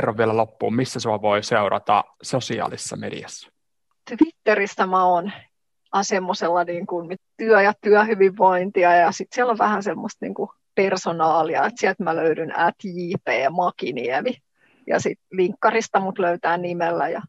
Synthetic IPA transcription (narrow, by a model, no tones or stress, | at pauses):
rːɑʋiælælopːṵːmmisːæsuɑʋoiseuɾɑ̰t̪ɑ̰sosiɑ̰ːlisːɑ̰medḭæsːæ̥ | t̪ʋit̪ːerisːæmæon | ɑsemːoselːɑniːŋkunmt̪yœjɑt̪yœhyʋiʋːoint̪iɑjjɑsit̪siæloʋʋæhænsemːost̪nḭːŋku | personɑːliɑ̰et̪siɛlt̪mæløydynæ̰t̪jiːpeːmɑkinḭɛmi | jɑ̰sit̪ʋiŋkːɑrist̪ɑmut̪løyt̪æːnnimelːæ̰jɑ̰